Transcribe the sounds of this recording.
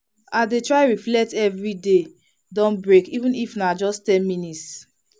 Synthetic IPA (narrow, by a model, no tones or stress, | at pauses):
adetɹaɪɹiflɛtɛvɹide | dɔ̃nbɹekivũnifnad͡ʒɔstɛ̃nminits